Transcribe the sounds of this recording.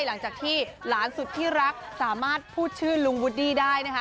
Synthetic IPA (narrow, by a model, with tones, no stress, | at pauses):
jla˩˦ŋt͡ɕaː˨˩k̚t̪ʰiː˥˩laː˩˦nsu˨˩t̪ʰːiː˥˩ɾa˦˥k̚saː˩˦maː˥˩t̪̚pʰuː˥˩t̪̚t͡ɕʰɯː˥˩lu˧ŋwu˦˥t̪̚diː˥˩daː˥˩jna˦˥kʰa˦˥